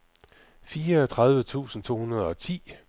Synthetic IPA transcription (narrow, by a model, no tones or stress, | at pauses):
fiːɐɒt͡sʰʁað̞ˠʋət͡sʰṵːsn̩t͡sʰo̝̰ːhunɐð̞ˠəɒ̽t͡sʰḭː